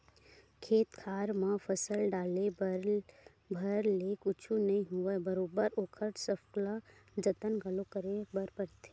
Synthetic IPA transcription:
kʰeːt̪kʰaːɾmãfʰəsəlɖaːlebɾ | bʱɐɾlekʊt͡ʃʰũnɐɦĩɦʊʋebɐɾoːbəɾoːkʰəʈsəfkla | d͡ʒɐt̪ənɡʱɐlokəɾebəɾpəɾt̪ʰe̥ː

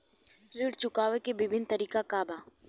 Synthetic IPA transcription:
ɾiːɽt͡ʃʊkaːʋekebɪbʱɪnt̪ɐɾiːkakaːbaː

